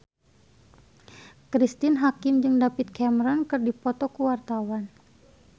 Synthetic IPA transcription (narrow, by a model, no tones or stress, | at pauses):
kɾist̪ɪnɦakɪmd͡ʒɨŋdapɪt̪̚kɛməɾɔnkɨrdipɔt̪ɔkuwart̪awan